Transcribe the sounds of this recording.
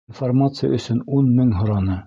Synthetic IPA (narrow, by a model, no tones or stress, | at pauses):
nformat̪sɨja̰ɵ̆sɵnunmɵŋɦŏɾɑnɤ